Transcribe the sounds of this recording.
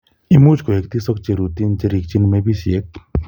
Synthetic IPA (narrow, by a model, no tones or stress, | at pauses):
imuːd͡ʒkoek̚t̪isɔk̚t͡ʃeɾut̪int͡ʃeɾik̚t͡ʃinmẽbʱisiek̚